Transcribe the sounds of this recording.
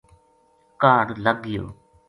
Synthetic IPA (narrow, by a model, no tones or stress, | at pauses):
kaːɽləɡɪjo̰ː